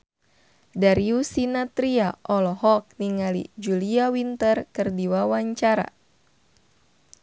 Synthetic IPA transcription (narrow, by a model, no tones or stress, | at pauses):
daɾiusinat̪ɾiaʔɔlɔhɔk̚niŋalḭd͡ʒuliawint̪ərkɨrdiwawaɲt͡ʃaɾa̰